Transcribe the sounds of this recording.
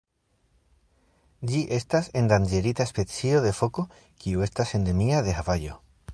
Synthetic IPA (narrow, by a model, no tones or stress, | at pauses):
ʎiʔest̪asend̪and͡ʒeɾit̪aespet͡sioðe̞foko | kiue̞st̪ase̞nd̪emiaðeaβaʎo